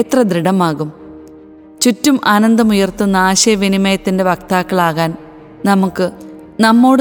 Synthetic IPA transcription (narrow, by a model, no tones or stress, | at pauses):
t̪rɐd̪ɾiɽɐmaːɣum | t͡ɕutːumʔaːnɐnd̪ɐmujɐrt̪unːaːɕɐʋinimɐjɐt̪ːinde̞ʋɐk̚t̪aːkːɐɭaːɣaːn | nɐmukːɨ | nɐmːo̞ːɽ